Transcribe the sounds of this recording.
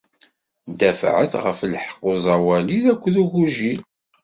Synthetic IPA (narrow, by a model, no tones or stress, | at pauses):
d̪æfʕə̰θʁə̰flħqːozˤɑwæliðækʷːðuʝuʒil